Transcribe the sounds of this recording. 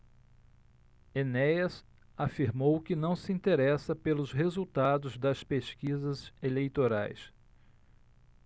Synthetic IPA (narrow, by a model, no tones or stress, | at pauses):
enɛjɐs | afiɾmowkɪnɐ̃w̃sɪĩnt̪eɾɛsɐpelʊzɦezuwt̪ad̪ʊzd̪ɐspeʃkizɐzelejt̪oɾa̰js